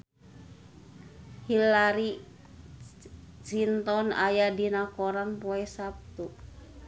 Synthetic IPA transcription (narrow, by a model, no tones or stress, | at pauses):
hilaɾi | sint̪ɔna̰jadinakɔɾanpɔɛsap̚t̪u